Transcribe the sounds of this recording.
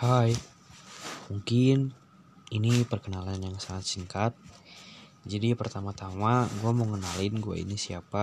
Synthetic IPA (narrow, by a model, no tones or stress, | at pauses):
haj | muŋkɪn | inipərkənalanjaŋsaŋat̪̚siŋkat̪̚ | d͡ʒadipərt̪amat̪amaɡuaməŋənalɪnɡua̰ḭnisiapa